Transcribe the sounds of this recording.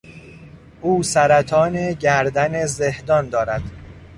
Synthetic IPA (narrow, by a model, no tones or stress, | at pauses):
ʔuːsæɾæt̪ʰɒːneɟæɾd̪ænezehd̪ɒːnd̪ɒːɾæd̪̥